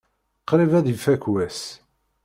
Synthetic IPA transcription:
qɾivæðifækwæs

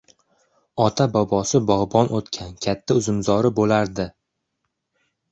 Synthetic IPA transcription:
ɒt̪ʰabɒbɒsɪbɒʁbɒnʔot̪kʲʰankʲʰat̪ʰːaʊzɪmzɒɾɪbolaɾd̪ɪ

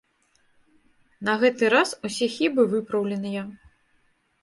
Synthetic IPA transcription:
nɐɣɛt̪ɨɾasusʲɛxʲibɨvɨpɾɐwlʲɛnɨjɐ

